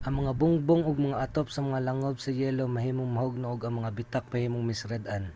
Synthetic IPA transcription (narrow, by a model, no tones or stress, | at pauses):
ʔɐŋmɐŋabʊŋboŋʔoɡ̚mɐŋaʔɐt̪op̚sɐmɐŋalɐŋob̚sɐjɛːlomɐɦiːmoŋmɐɦoɡ̚noʔoɡɐŋmɐŋabɪt̪ak̚mɐhiːmoŋmɪsɾɐd̪ʔan